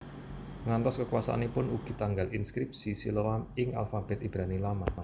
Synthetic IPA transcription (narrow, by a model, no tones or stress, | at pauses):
ŋant̪ɔskəkwasa̰nepʊnuɡ̥i̤t̪aŋɡalinskɾip̚sisḭləwamɪŋʔa̰lfab̥ɛt̪ib̥ɾanilama